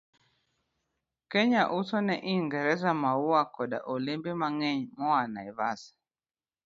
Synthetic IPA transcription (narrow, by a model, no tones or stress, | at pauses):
kɛɲaʔusɔnɛʔiŋɡɛɾɛzamauakɔɗa̰ʔɔlimbimaŋɛɲmɔwanaiβa̰sḁ